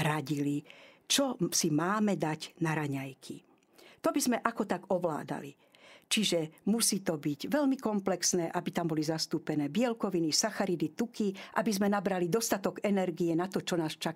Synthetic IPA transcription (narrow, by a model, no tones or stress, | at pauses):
ɾaɟili | t͡ʃɔsimaːmɛd̪aɟnaɾaɲajkʰḭ | t̪ɔbizmɛʔakɔt̪aɡɔʋla̰ːd̪a̰lḭ | t͡ʃiʒɛmusiːt̪ɔbiɟʋɛʎmikɔmplɛksnɛːʔabit̪ambɔlizast̪uːpɛnɛːbɪɛlkɔʋinisaxaɾid̪it̪ukiʔa̰bizmɛnabɾalid̪ɔst̪at̪ɔɡɛnɛɾɡiɛnat̪ɔt͡ʃɔnaːst͡ʃa